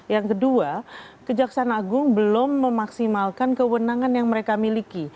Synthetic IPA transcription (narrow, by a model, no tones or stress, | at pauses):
jaŋkəduakəd͡ʒaksanaaɡʊŋbəlʊmːəmaksimalkankəwənaŋanjaŋməɾekamiliki